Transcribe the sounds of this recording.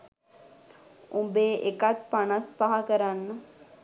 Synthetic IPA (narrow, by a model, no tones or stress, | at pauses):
ũmbeːʔekat̪̚panaspaɦakəɾanːə